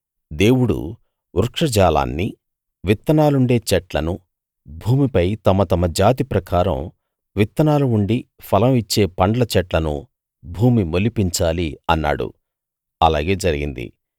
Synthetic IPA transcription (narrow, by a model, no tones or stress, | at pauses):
d̪e̞ːwuɽṵ | uɾkʂɐd͡ʒaːla̰ːnːi | ʋit̪ːɐnaːluɳɖe̞ːt͡ʃɛʈlɐnu | bʱuːmipɐjt̪ɐmɐt̪ɐmɐd͡ʒaːt̪ipɾɐkaːɾɐ̰m | ʋit̪ːɐnaːluuɳɖi | pʰɐlɐmit͡ʃːe̞ːpɐɳɖɐlɐt͡ʃɛʈlɐnṵ | bʱuːmimolipiɲt͡ʃaːliɐnːa̰ːɽṵ | ɐlaːɡe̞ːd͡ʒɐɾiɡḭnd̪ḭ